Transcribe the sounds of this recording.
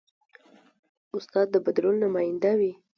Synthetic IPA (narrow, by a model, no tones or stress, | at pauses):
ʊst̪ɑd̪̚ːəbad̪ɾolnamɑjɪnd̪awi